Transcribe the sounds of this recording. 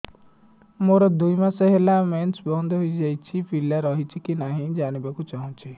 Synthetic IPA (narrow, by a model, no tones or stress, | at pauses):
moɾɔd̪ujmaseɦelamensbɔnd̪ʱɔɦojd͡ʒajt͡ʃʰipʰilaɾɔɦit͡ʃʰikinaɦĩd͡ʒañibakut͡ʃaɦɔ̃t͡ʃʰi